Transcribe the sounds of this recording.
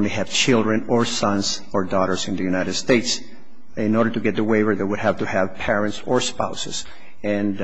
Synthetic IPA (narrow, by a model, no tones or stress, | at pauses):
õnliæv̥t͡ʃʰɪlˠdɹɨ̃nə˞sʌ̃nz | ɔɹdɔɾə˞sɨ̃nðɨjʉnaɪɾɨd̥steɪts | ɪ̃nɔɹɾə˞tuɡɛt̪̚ðəweɪwəɹðeɪwʊdhævtuhæv̥pʰɛɹɨ̃ntsə˞spaʊsɨz̥ | ɨ̃n